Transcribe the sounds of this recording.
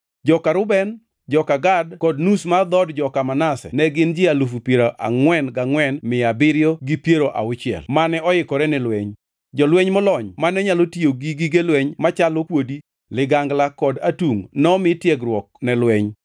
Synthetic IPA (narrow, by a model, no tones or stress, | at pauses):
d͡ʒɔkaɾʊbɛn | d͡ʒɔkaɡadkɔdnusmad̪ɔdd͡ʒɔkamanasɛ̰nɛɡɪnd͡ʒɪalufupjeɾoʔa̰ŋwɛnɡaŋwɛnmɪabɪɾjoɡipjeɾoʔa̰ʊt͡ʃɪɛ̰lmanɛɔɪkɔɾɛnɛlwɛɲ | d͡ʒɔlwɛɲmɔlɔɲmanɛɲalotioɡiɡiɡelwɛɲmat͡ʃalokwodi | lɪɡaŋɡlakɔdatuŋnɔmɪtjɛɡɾwɔk̚nɛlwɛɲ